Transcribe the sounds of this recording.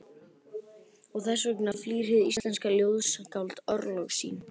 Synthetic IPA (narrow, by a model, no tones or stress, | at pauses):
ɔɣθɛsʏknafliːɾ̥ɪðḭsɛnskaljoːwðsakawlt̪œɾlɔɣsḭːn